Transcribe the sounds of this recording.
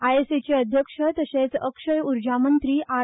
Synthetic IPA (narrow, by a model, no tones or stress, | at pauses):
ajeset͡ɕeəd̪ʱjəkʂət̪əɕẽt͡səkʂəjuɾd͡ʑamənt̪ɾiːʔa